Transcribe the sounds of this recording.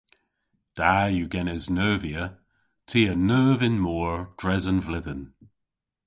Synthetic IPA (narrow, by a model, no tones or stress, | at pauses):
d̥ajuɡɛnɪznɜːviə | tʰiːənɜːvɪnmɔːɹd̥ɹɛzənvlɪðən